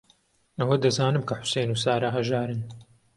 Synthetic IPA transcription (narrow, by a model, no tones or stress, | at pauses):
ɐwɐd̪ɐzaːnɨmkʰɐħʊ̥sejnuːsaːɾaɦɐʒaːɾɨn